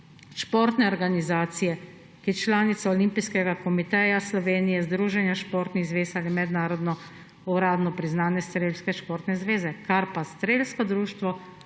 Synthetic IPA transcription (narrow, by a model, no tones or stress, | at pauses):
ʃpoːɾt̪nɛɔɾɡanizaːt̪sijɛ | kijɛt͡ʃlaːnit̪saɔlimpijskɛɡakɔmit̪ɛjaslɔʋeːnijɛzd̪ɾuːʒɛnjaʃpoːɾt̪niɣzʋeːsalimɛd̪naːɾɔd̪nɔ | uɾaːd̪nɔpɾiznaːnɛst̪ɾeːlskɛʃpoːɾt̪nɛzʋeːzɛkaɾpast̪ɾeːlskɔd̪ɾuːʃt̪ʋɔ